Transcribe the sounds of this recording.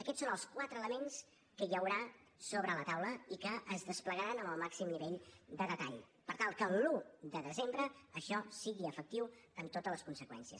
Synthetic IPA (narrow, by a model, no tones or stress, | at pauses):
əkɛtsonəlˠskwat̪ɾəːləmens | kəjəwɾa | soβɾələt̪awləikəʔəzðəspləɣəɾanəməlˠmaksimniβɛʎd̪əðət̪aʎpəɾt̪alˠkənlud̪əðəzembɾəəʃɔsiɣiəfək̚t̪iwəmt̪ot̪ələskunsəkwɛ̰nsiə̰s